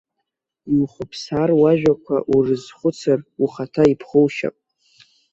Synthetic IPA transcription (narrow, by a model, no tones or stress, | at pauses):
iwχʷʊpʰsarwaʒᶣakʷʰa̰ʔurɨzχʷʊt͡sʰaruχatʰaipʰχʊwʃa̰pʼ